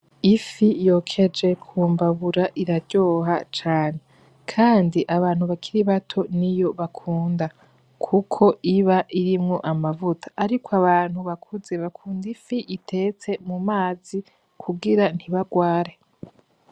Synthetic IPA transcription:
ifijo̞kʰe̞d͡ʒe̞kʰuːmbaβuɾaʔiɾaɟo̞ːɦat͡ʃaːne̞ | kʰaːndiʔaβaːn̥huβakʰiɾiβatʰo̞nijo̞βakʰuːnda | kʰukʰo̞ʔiβaʔiɾimŋo̞ʔamavutʰḁʔːɾikʰwaβaːn̥huβakʰuze̞βakʰuːndifiʔitʰe̞t͡se̞mumaːzi | kʰuɡiɾan̥hiβaɡwaːɾe̞

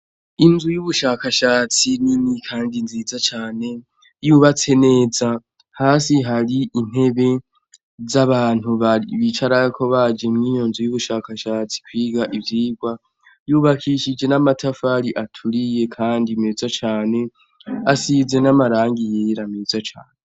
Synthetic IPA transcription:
inzujuβuʃaːkaʃaːt͡sininikʰaːndinziːzat͡ʃaːne̞ | juβat͡se̞ne̞ːza | haːsiɦaɾiʔin̥he̞βe̞ | zaβaːn̥uβaiβit͡ʃaɾakʰo̞βad͡ʒe̞mŋiːjo̞nzujuβuʃaːkaʃaːt͡si̥kwiːɡaʔivjiːɡwa | juβakʰiʃid͡ʒe̞namatʰafaɾiʔatʰuɾije̞kʰaːndimeːzat͡ʃaːne̞ | asize̞namaɾaːŋɡijeɾameːzat͡ʃa̰ːne

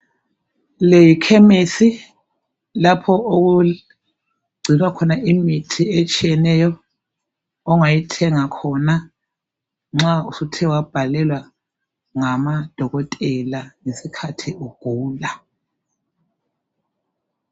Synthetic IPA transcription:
lejikʰɛmesi | lapʰɔoɣu | ɡ͡ǀʱinwakʰɔnaʔimitʰiet͡ʃʼijɛnɛjɔ | ŋajitʰɛŋakʰɔna | ŋ͡ǁausutʰɛwab̥ʱalɛlwa | ŋamad̥ʱɔɣɔtʼɛlaŋesikʰatʰiuɡ̥ʱuːla

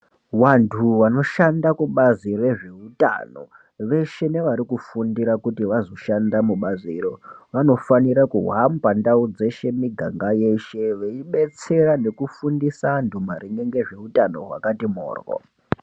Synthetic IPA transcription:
wantʰuʋano̞ʃandakuɓazire̞ʐe̞uta̰no̞̰ | ʋe̞ʃe̞ne̞ʋaɾikufundiɾakutiʋazo̞ʃandamuɓaziɾoʋano̞faniɾakuɦwampandaud͡ze̞ʃe̞miɡʱa̰ŋɡaje̞ʃe̞ʋe̞iɓe̞t͡se̞ɾane̞kufundisandumariŋe̞ŋɡe̞ʐe̞utano̞̰ɦwa̰katimo̰ːrɣo̰

